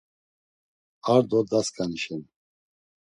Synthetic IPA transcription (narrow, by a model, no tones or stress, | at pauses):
aɾd̪ɔd̪askʰʼaniʃɛn